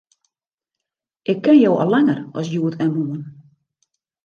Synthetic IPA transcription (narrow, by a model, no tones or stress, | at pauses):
ʔɪkʰːɪnjowʔɔ̰lɛŋərɔ̰sjuətɛmuən